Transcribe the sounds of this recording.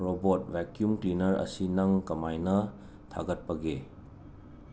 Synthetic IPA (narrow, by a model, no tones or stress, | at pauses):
ɾɔbot̚vɛkjumtɾinɐɾɐ̰sinɐŋkɐmajnɐ | tʰa̰ɡɐt̚pɐɡe